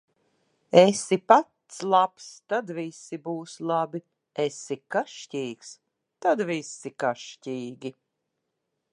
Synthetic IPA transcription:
ɛsipat̪slˠapst̪ad̪visibuːslˠabi | esikaʃciːks | t̪ad̪visikaʃciːɡʲi

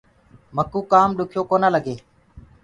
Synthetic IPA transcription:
məkuːkaːmɗʊkʰjoːkoːnaːləɡeː

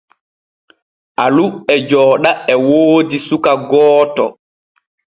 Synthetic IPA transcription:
ʔaluɛd͡ʒɔːɗaɛwoːdisukaɡɔːtɔ̰

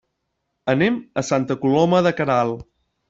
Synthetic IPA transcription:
ənɛeməsant̪əkulɔməðəkəɾalˠ

